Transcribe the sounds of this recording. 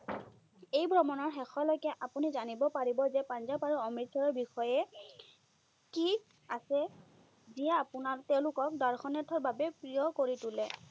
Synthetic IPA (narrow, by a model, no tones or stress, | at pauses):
ejbʱɹɔmɔnɔɹxɛxɔlojkaʔapunizanibɔpaɹibɔzɛpanzabaɹuɔmitsaɹɔɹbixɔjɛ | ki | asɛ | zijaːpʊnaɹtɛʊ̃lʊkɔk̚daɹxʰɔnɛtʰɔɹbabɛpɹijɔkoɹitʊlɛ